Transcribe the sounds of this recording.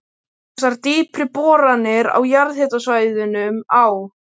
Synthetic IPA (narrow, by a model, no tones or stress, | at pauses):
saɾt̪iːpʰɾɪpɔːɾanːɪɾa̰wjaɾðhɛːt̪asvaːjðʏnʏmaw